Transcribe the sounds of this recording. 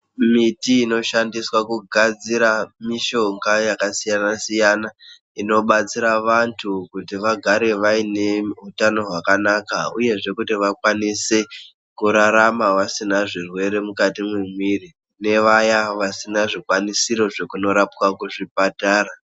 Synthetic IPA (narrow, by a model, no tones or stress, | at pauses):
mitiːno̞ʃandiswakuɡʱad͡ziɾamiʃo̞ŋɡajakasijanasijana | ino̞ɓat͡siɾaʋantʰukutiʋaɡʱaɾe̞ʋaine̞utano̞ɦwakanakaṵje̞ʐe̞kutiʋakwanise | kuɾaɾamaʋasinaʐirwe̞ɾe̞mukatimwemwiri | ne̞ʋajaʋasinaʐikwanisiɾo̞ʐe̞kuno̞ɾapwakuʐipataːɾa